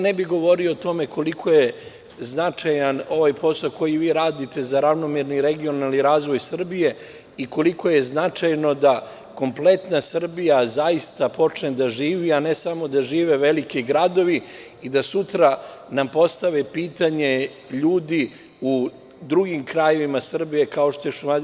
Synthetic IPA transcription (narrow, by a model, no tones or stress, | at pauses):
nebiɡo̞ʋo̞ɾioːt̪o̞me̞ko̞likʰo̞je̞ | znat͡ʂajano̞ʋajpo̞sako̞jiʋiːɾaːd̪it̪e̞zaɾaʋno̞miɾniɾe̞ɡio̞naliɾaːzʋo̞jsr̩bije̞ | iko̞liko̞je̞znat͡ʂajno̞d̪a | ko̞mplˠe̞t̪nasr̩bijazaist̪apo̞t͡ʂned̪aʒiːʋianesamo̞d̪aʒiːʋe̞ʋe̞likiɡɾad̪o̞ʋi | id̪asut̪ɾanampo̞st̪aʋepiːt̪aɲe̞ | ʎuːd̪i | u | d̪ɾuɡimkɾaje̞ʋimasr̩bije̞kao̞ʃt̪ojeʃuma